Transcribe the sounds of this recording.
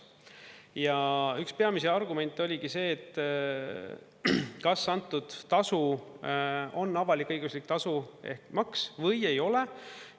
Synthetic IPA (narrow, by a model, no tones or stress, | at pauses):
jɑykspe̞ɑmis̬eɑrɡume̞nʲt̪ːˑo̞lʲiɡ̥ise̞ːt̪ːˑ | kɑsːɑnt̪ːˑud̪̥ːɑsu | o̞nːɑvɑlikːˑɤjɡ̥uslik̚t̪ɑsuehkmɑksvɤ̞je̞jo̞le̞